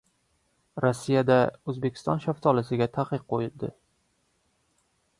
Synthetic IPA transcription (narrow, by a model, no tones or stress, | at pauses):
ɾɒsːijad̪aɵzbekʲʰɪ̥st̪ɒ̰nʃaft̪ʰɒlɪsɪɡʲat̪ʰaqɨq̚qːojɪld̪ɪ